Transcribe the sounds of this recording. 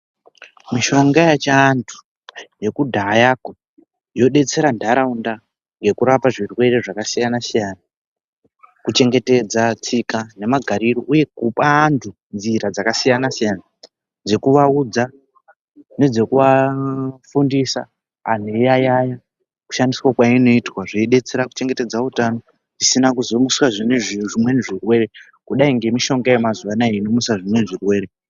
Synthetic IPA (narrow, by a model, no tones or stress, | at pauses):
miʃo̞ŋɡajat͡ʃantʰu̥ | je̞kudʱaːjako | jo̞ɗe̞t͡se̞ɾandʱaɾaunda | ŋɡe̞kuɾapaʐirwe̞re̞ʐakasijanasijaːna | kut͡ʃe̞ŋɡe̞te̞d͡zat͡sikane̞maɡʱaɾiɾoʔuje̞kupaːntʰu | nd͡ziɾad͡zakasijanasijana | d͡ze̞kuʋaud͡za | ne̞d͡ze̞kuʋa | fundisa̰ː | n̤ejajaja | ku̥ʃandiswakwaino̞itwaʐeiɗe̞t͡seɾaku̥t͡ʃe̞ŋɡe̞te̞d͡zautano | ʐisinakuzo̞muswaʐineʐiʐimwe̞niʐirwe̞ɾe̞ | kuɗaiŋɡe̞miʃo̞ŋɡaemazuʋanaeinomuswaʐimweniʐirwe̞ːɾe